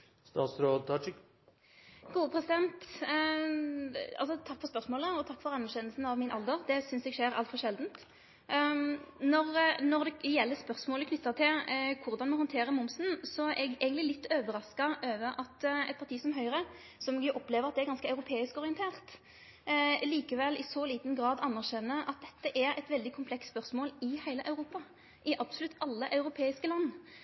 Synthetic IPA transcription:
st̪ɑ̰ːsɾoːt̪ʰɑʈɪk | ɡ̥uːəpʰɾɛsɪd̪ɛnt̪ | ɑ̰lsɔt̪ʰɑkːfɔɾʁspœʁsmoːləɔt̪ʰɑkːfɔʁɑnːæʁɕɛnːəlsn̩ɑʋmɪnʔɑ̰ld̪əʁd̪ɛsʏnsɛɡʂeːɾɑlt̪fɔʁʃɛld̪n̩t̪ | nɔʁnɔʁd̪ɛjɛlːəspœʁsmoːləkʰnʏt̪ːɑt̪ʰɪlkʰʊʁd̪ɑnmɔhɔnt̪ʰeːʁəmʊmsn̩sɔʔɛɡæ̰ːɡənlɪlɪt̪ːøːʋəɾɑskɑʔøːʋəʔɑt̪ɛt̪̚pʰɑʁt̪ʰiːsɔmɦœʏʁə | sɔmɛɡjʊʔɔpːleːʋəʁɑt̪̚d̪ɛæɾɡɑnskəɑʉɾʊpʰeːɪskɔʁɪɛnt̪ʰeːʁt̪ | liːkəʋɛlɪsɔliːt̪nɡʁɑːd̪ɑnːæʁʃɛnːəʔɑt̪̚d̪ɛt̪ːəʔæɾɛt̪ʋɛld̪ɪkʰʊmpʰlɛksspœʁsmoːlɪhæɪləʔɑʉɾuːpɑ | ʔɪʔɑb̥sʊlʉt̪ːɑlːəʔɑʉɾʊpʰeːɪskəlɑnː

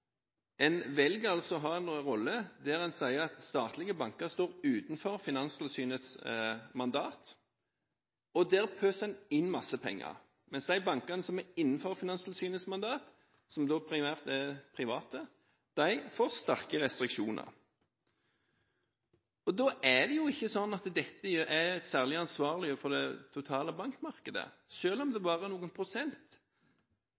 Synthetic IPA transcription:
ɛnʋɛlɡɑlsɔɦɑɛnːʁɔlːəd̪æːɾɛnsæɪəʁɑt̪st̪ɑːt̪lɪɡəbɑŋkəʁst̪oːʁʉːt̪n̩fɔʁfɪnɑnst̪lsyːnət̪smɑnd̪ɑːt̪ | ɔd̪ɛːʁpʰøːsɛnɪnːmɑsəpʰɛ̰ŋːə̰ʁ | mɛnsd̪æɪbɑŋkənəsɔmæɪnːn̩fɔʁfɪnɑnst̪l̩syːnət̪smɑnd̪ɑːt̪ | sɔmd̪oːpʰɾɪmæːʁt̪ɛpʰʁɪʋɑːt̪ə | d̪̥æɪfoʁst̪ɑʁkəʁɛst̪ɾɪkʃuːnʔə̰ʁ | ɔd̪ɔːæd̪ɛjʊɪçːəsɔnːɑt̪d̪ɛt̪ːəjøʔæsæːʁlɪɑnsʋɑːʁlɪəfɔd̪ɛt̪ʰʊt̪ʰɑːləbɑŋkmɑʁkəd̪ə̰ | ʃøːlɔmd̪ɛbɑːʁənuːɡənpʰʁʊsɛnt̪

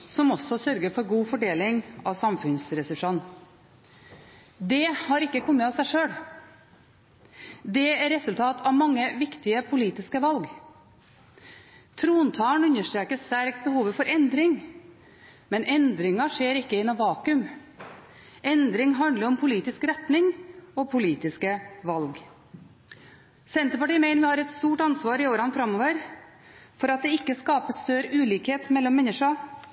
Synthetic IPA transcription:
sɔmɔsɔsœɾɡəɾfɔɾɡuːfɔɖeːlɪŋɑʋsɑmfʉnsɾɛsʉʂɑn | d̪ɛhɑɾɪkːəkʰɔmːət̪ɑsæɪʂøːɽ | d̪ɛæɾɛsʉlt̪ʰɑːt̪ʰɑʋmɑŋːəʋɪkt̪ɪəpʰʊliːt̪ɪskəʋɑlɡ | t̪ʰɾuːnt̪ʰɑːɳʉnːəʂʈ̪ɾeːkəst̪æɾk̚t̪̚bəhuːʋəfɔɾʔɛnd̪ɾɪŋ | mɛnɛnd̪ɾɪŋɑʂeːɾɪkːəɪnɔʋɑːkʉm | ʔɛnd̪ɾɪŋɦɑnd̪ləɾɔmpʰʊliːt̪ɪskɾɛt̪nɪŋɔpʰʊliːt̪ɪskəʋɑlɡ | sɛnt̪əpɑʈiːəmæɪnəʋɪhɑːɾɛt̪st̪uːʈɑnsʋɑːɾɪoːɾɑnfɾɑmːɔʋəɾ | fɔɾɑt̪̚d̪ɛɪkːəskɑːpəst̪œɾəʔʉːliːkheːt̪mɛlːɔmːɛnːəʂɑ

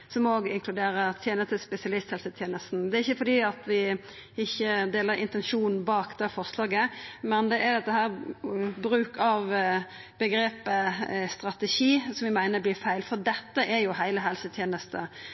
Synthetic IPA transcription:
sɔmoːɡɪŋkʰlʉd̪eːɾəɾt̪ʰjeːnəst̪əspɛsɪɑlɪst̪hɛlsət̪ʰjeːnəst̪n̩d̪ɛæɾɪçːəfɔɾd̪iːɑt̪ʋɪ | ɪçːəd̪eːləɾɪ̰nt̪ɛnʃuːnn̩bɑːkd̪ɛfɔʁslɑːɡəmɛnd̪ɛʔæɾd̪ɛt̪ːəhæːɾbɾʉːkɑʋ | bəɡɾeːpəst̪ɾɑt̪ɛʃiːsɔmʋɪmæɪnəblɪːfæɪlfɔɾd̪ɛt̪ːəʔɛɾjʊhæɪləɦɛlsət̪ʰjeːnəst̪ə

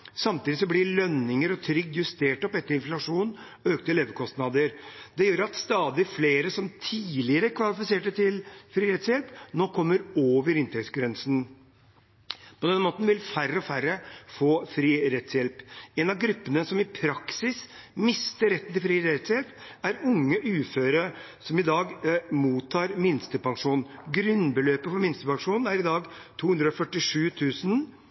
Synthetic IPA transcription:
sɑmt̪ʰiːd̪ɪs̬ɔblɪɭœnːɪŋəɾɔt̪ʰɾʏɡ̚d̪jʉst̪eːʈɔpɛt̪ːəɾɪnflɑʂuːn | ɔøːk̚t̪əɛleːʋəkʰɔst̪nɑd̪əɾd̪ɛjøːɾɑt̪st̪ɑːd̪ɪfleːɾəsɔmt̪ʰiːlɪəɾəkʰʋɑlɪfɪseːʈət̪ʰɪlfɾiːɾɛt̪sjɛlpnoːkʰɔmːəɾoːʋəɾɪnt̪ʰɛktsɡɾɛnsn̩ | pʰɔd̪ɛnːmoːt̪nʋɪlfærːəɔfærːəfoːfɾiːɾɛt̪sjɛlpɛnɑɡɾʉpːənəsɔmɪpʰɾɑksɪsmɪst̪əɾɛt̪ːnt̪ɪlfɾiːɾɛt̪sjɛlp | æɾʊŋːəʔʉːføːɾə | sɔmɪd̪ɑːɡmuːt̪ʰːɑːɾmɪnst̪əpɑŋʂuːnnɡɾʉnbəløːpəfɔɾmɪnst̪əpɑŋʂuːnn̩æɾɪd̪ɑːɡ | t̪ʰuːhʉnd̪ɾəɔfœʈɪʂʉːt̪ʰʉːsn

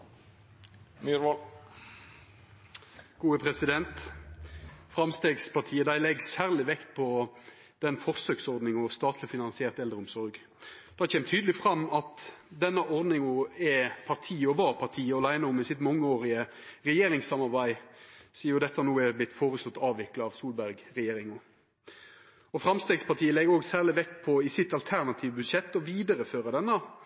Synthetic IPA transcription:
myɾʋɔl | ɡ̥uːəpʰɾɛsɪd̪ɛnt̪ | fɾɑmst̪eːɡspʰɑʁʈ̪ʰiːəd̪æɪlɛɡsæːʁlɪʋɛkt̪pʰɔ | d̪̥ɛnfɔʁsøːksɔʁd̪nɪŋɔst̪ɑːt̪ʰlɪfɪnɑnsɪeːʁt̪ɛld̪ɾəʊmsɔɾɡ | d̪̥ɑhɑçʰeːmt̪ʰyːd̪l̩ɪfʁɑmːɑt̪d̪ɛnːəʔɔɾd̪nɪŋʊɛpʰɑʁt̪ʰiːɔʋɑːpʰɑʁt̪ʰiːəɑlæɪnəʊmɪsɪt̪mɑŋːəoːʁɪə | ʁɛjeːɾɪŋsɑmɑʁbæɪsiːʊd̪ɛt̪ːəɑnuːɛblɪt̪ːfoːɾəst̪ɔt̪ːɑːʋɪklɑɑʋsuːlbæʁɡʁɛjeːɾɪŋʊ | ɔfɾɑmst̪eːɡspʰɑʁt̪ʰiːəlɛɡoːɡsæːʁlɪʋɛkːpʰɔɪsɪt̪ːɑlt̪ʰæʁnɑt̪ʰiːʋəbʉd̪ʂɛt̪ːɔʋiːd̪əɾəføːʁəd̪ɛnːə

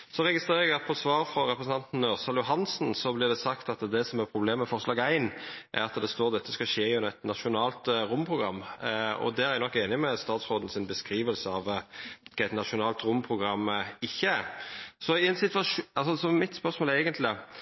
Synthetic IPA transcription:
sɔɾɛɡɪst̪ʁeːɾəɛɡɑt̪̚pʰɔsʋɑːɾfɾɔɾɛpɾəsn̩t̪ɑnt̪n̩ːøːʁsɑljʊɦɑnsn̩sɔblɪʁd̪ɛsɑkt̪ɑt̪d̪ɛsɔmæɾpʰɾʊbleːmːəfɔɾʁslɑːɡæɪnʔæ̰ɾɑt̪d̪ɛst̪oːʁd̪ɛt̪ːəskɑʃeːɪɛnæɪt̪nɑʃʊnɑːlt̪ɾʊmːpʰʁʊɡɾɑmːɔ̰d̪ɛæɾænɔkːeːnɪmɛst̪ɑːt̪sɾoːd̪n̩sɪnbəskɾiːʋəlsəɑʋ | æɪt̪nɑʃʊnɑːlt̪ɾʊmpʰɾʊɡɾɑmːɪçːəɾsɔɪɛnsɪt̪ʋɑʂɑlsɔsɔmmɪt̪spœʁsmoːlæɪɡənt̪lɪ

